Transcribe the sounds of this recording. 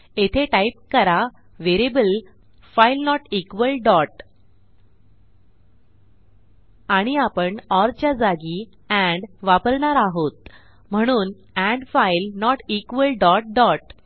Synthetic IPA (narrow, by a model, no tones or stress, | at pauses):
et̪ʰeʈaip̚kəɾa | ʋeɾebəl | failnɔʈikʋəlɖɔʈ | aɽ̃iapəɳɔɾt͡ɕjad͡zaɡi | ɛ̃ɳɖʋapəɾɳaɾaɦot̪̚ | m̤əɽ̃uːn | æ̃ɳɖfailnɔʈikʋəlɖɔʈ̚ɖɔʈ